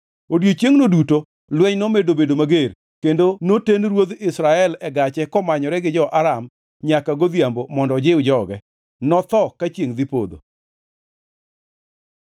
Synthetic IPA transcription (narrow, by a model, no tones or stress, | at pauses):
odjot͡ʃjeŋnoduto | lwɛɲnomedobedomaɡer | kendonotenɾwod̪ɪsɾaɛlɛɡat͡ʃɛkɔmaɲɔɾɛɡɪd͡ʒɔʔaɾam | ɲakaɡod̪jambomɔndɔd͡ʒɪwd͡ʒɔɡɛ | nɔt̪ɔkat͡ʃjeŋd̪ɪpo̰d̪o̰